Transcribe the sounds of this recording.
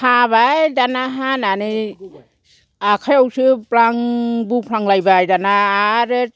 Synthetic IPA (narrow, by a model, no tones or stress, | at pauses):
habajdanaɦananɯ | akʰajɔwsɯpɾaŋbupʰɾaŋlajbajdanaːɾɯ